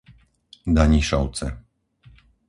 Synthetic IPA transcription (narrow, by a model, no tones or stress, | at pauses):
d̪aɲiʂɔwt̪sɛ